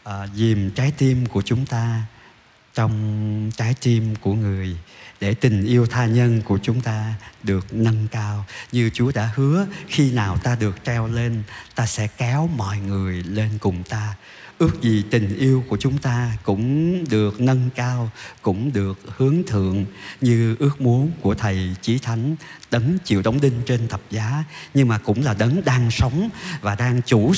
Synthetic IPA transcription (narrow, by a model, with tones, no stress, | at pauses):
ʔəː˨˩zi˨˩mt͡ɕaː˨˦jt̪i˧mku˧˩ət͡ɕʊ˨˦ŋ͡mt̪aː˧ | t͡ɕɔ˧wŋ͡mt͡ɕaː˨˦jt̪i˧mku˧˩əŋɨ˨˩əjɗe˧˩t̪ï˨˩ŋ̟ʔi˧əwt̪ʰaː˧ɲə˧nku˧˩ət͡ɕʊ˨˦ŋ͡mt̪aː˧ɗɨ˨˩ək̚nə˧nkaː˧wɲɨ˧t͡ɕu˨˦əɗa̰ː˧˥hɨ˨˦əxi˧naː˨˩wt̪aː˧ɗɨ˨˩ək̚t͡ɕɛ˧wle˧nt̪aː˧sɛ̰˧˥kɛ˨˦wmɔ̰˧˨jŋɨ˨˩əjle˧nkʊ˨˩ŋ͡mt̪aː˧ | ʔɨ˦˥ək̚zi˨˩t̪ï˨˩ŋ̟ʔi˧əwku˧˩ət͡ɕʊ˨˦ŋ͡mt̪aː˧kʊ̰˧˥ŋ͡mɗɨ˨˩ək̚nə˧nkaː˧wkʊ̰˧˥ŋ͡mɗɨ˨˩ək̚hɨ˨˦əŋt̪ʰɨ̰˧˨əŋɲɨ˧ʔɨ˦˥ək̚mu˨˦ənku˧˩ət̪ʰə˨˩jt͡ɕi˨˦t̪ʰa˨˦jŋ̟ɗə˨˦nt͡ɕḭ˧˨əwɗə˨˦wŋ͡mɗï˧ŋ̟t͡ɕe˧nt̪ʰə˨˩p̚zaː˨˦ɲɨ˧ŋmaː˨˩kʊ̰˧˥ŋ͡mlaː˨˩ɗə˨˦nɗaː˧ŋsə˨˦wŋ͡mvaː˨˩ɗaː˧ŋt͡ɕu˧˩